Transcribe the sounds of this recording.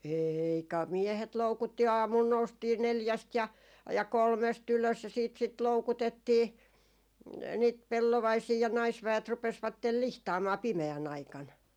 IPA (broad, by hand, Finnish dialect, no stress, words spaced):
eiː kɑ miehet loukutːi ɑːmul noustiː neljæst jɑ jɑ kolmest yløs jɑ siːt sit loukutetːiː niːt pelːoʋɑisiː jɑ nɑisʋæet rupesʋɑtːel lihtɑːmɑː pimeæn ɑikɑn